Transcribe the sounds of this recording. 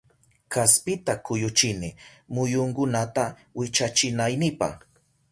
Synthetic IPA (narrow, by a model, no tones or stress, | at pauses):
kaspɪt̪akʊjʊt͡ʃɪnɪmʊjʊŋkʊnat̪a | wɪt͡ʃat͡ʃɪnajnɪpa̰χ